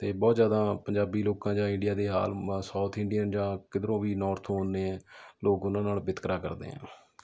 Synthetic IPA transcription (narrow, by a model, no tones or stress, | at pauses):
t̪eːbɔːt̪zjaːd̪ãːpəɲd͡ʒaːbiːloːkãːd͡ʒãːɪ̃ɳɖɪjaːd̪eːɦa̰ːlsaːt̪ʰɪɳɖijənd͡ʒãːkɪd̪ɾõːʋiːnɔːɾt̪ʰoːneːɛ̃ːloːkʊnãːnaːlbɪt̪kɾaːkə̰ɾd̪ḛːɦɛ̰̃ː